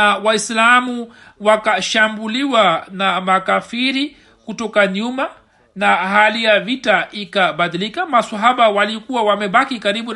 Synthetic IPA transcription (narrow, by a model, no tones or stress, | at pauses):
awaislamu | wakaʃambuliwanamakafiɾi | kutɔkaɲuma | nahalijavitaʔikaɓaðilikamasaɦaɓawalikuwawamɛɓakikaɾiɓu